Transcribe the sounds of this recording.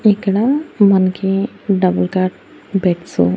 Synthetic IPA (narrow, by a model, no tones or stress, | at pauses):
ekɽamənke | ɖəbəlkaɾʈ | bʱɛʈsṵ